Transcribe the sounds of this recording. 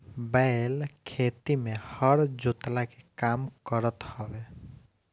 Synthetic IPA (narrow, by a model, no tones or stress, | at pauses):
baelkʰet̪imẽhəɾd͡ʒot̪lakekamkəɾət̪hɔʋe